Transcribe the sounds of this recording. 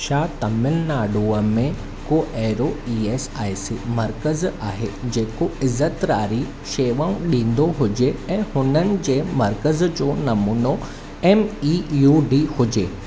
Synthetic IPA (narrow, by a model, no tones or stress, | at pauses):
ʃaːt̪ɐmɪlnaːɖuːəmẽ | koːʔɛːɾoieːsaːɪsḭmɐɾkəzaːɦḛd͡ʑeːkoɪzət̪ɾaːɾi | ʃeːʋaːũɗĩːn̆d̪oɦʊd͡ʑeɛ̃ːhʊnənɪ̆d͡ʑeːmɐɾkəzd͡ʑoːnɐmuːno | ɛːmiːjuːɖiːhʊd͡ʑeː